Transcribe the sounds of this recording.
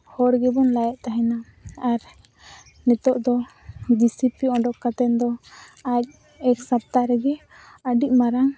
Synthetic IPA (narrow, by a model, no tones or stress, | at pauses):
hɔɾɡɛbɔnlajɛʔt̪aɦɛna | aɾ | nɛt̪ɔʔd̪ɔ | disipiɔɖɔkːat̪ɛnd̪ɔac̚ | ɛksap̚t̪aɾɛɡɛ | əɖiʔmaɾaŋ